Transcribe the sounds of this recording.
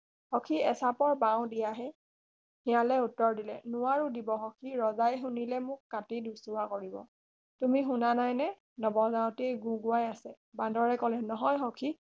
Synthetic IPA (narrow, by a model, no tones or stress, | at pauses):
hɔkʰiɛsapɔɹbaw̃dijaɦɛ | hijalɛutːɔɹdilɛ̰nʊwaɹudibɔxɔkʰiɹɔzajxunilɛmʊkːatidusuwakoɹibɔ̰ | tumixʊnanajnɛ | nɔbɔzaʊ̃teɡũɡʊajasɛ | bãndɔɹɛkɔlɛnɔɦɔjxɔkʰi